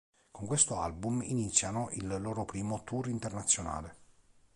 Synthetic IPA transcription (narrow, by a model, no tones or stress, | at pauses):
koŋkwest̪oalbuminit̪sːjanoʔilːoːɾopɾiːmot̪urint̪ernat̪sːjona̰ːle